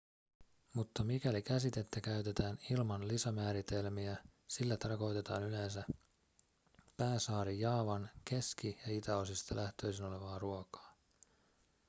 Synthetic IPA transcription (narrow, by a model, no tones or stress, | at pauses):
mut̪ːɑmikælikæsit̪e̞t̪ːækæyt̪e̞t̪æːnilmɑnlisɑmæːɾit̪e̞lmiæsilːæt̪ɑrko̞jt̪e̞t̪ɑːnyle̞ns̬æ | pæːsɑːɾijɑːʋɑnke̞skijɑit̪æosist̪ɑlʔæht̪ø̞jsino̞le̞ʋɑːruokɑ̥ː